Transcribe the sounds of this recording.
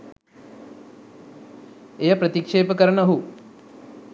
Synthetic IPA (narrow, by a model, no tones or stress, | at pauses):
ejɐpɾət̪ikʂeːpəkəɾɐnɐɦu